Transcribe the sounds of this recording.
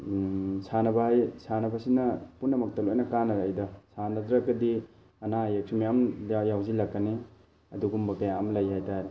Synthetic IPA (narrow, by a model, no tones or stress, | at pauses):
sʰanɐbɐhajsanɐbɐsinɐpunːɐmɐk̚tɐlojnɐkanɐɾajdɐsanɐdɾakːɐdi | ɐnajek̚simijamjawzilakːane | ɐduɡumbɐpajaamlajhajtaɾe